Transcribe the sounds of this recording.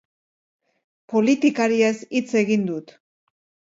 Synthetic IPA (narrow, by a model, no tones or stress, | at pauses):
po̞lit̪ikaɾiesit͡se̞ɣind̪ut̪